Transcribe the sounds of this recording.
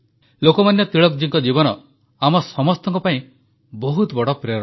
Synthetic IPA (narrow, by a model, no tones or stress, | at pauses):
lokɔmanjɔt̪iɭɔkd͡ʒiŋkɔd͡ʒibɔnɔ | amɔsɔmɔst̪ɔŋkɔpaĩ | bɔɦut̪bɔɽɔpɾeɾ